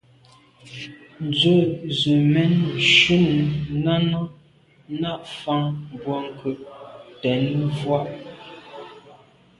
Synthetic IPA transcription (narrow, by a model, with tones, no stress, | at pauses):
n̩˨d͡zə˦˨zə˨mɛ˦nʃu˦˨ŋna˦nɔ˦ | na˦ʔfa˦ŋbwɔ˦ŋ˨kʰʉ˨ʔtɛ˨nvwa˦˨ʔ